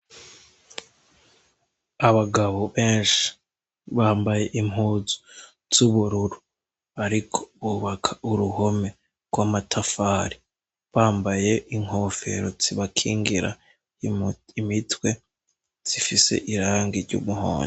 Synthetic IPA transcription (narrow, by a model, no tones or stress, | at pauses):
aβaɡaβo̞βeːnʃi̥ | βaːmbaje̞ʔimɦuːzu̥ | z̥uβuɾuɾu | aɾikʰo̥βuβakʰaʔuɾuho̞me̞ | ɡ̥wamatʰafaːɾi | βaːmbajeʔiŋ̥ho̞fe̞̰ɾo̞z̥iβakʰiːŋɡiɾa̰ | imitwe̞ | z̥ifise̞̰ʔiɾaːŋɡiɾɟṵːmuho̰ːɲi